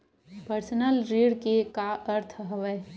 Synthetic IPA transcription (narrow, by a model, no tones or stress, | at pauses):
pəɾsənəlɾiːɽkekaʔəɾt̪ʰɦəʋəj